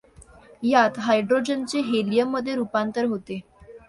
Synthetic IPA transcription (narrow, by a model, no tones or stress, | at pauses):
jat̪ɦajɖɾod͡ʑənt͡seɦelijəmːəd̪ʱːjeɾupant̪əɾɦot̪e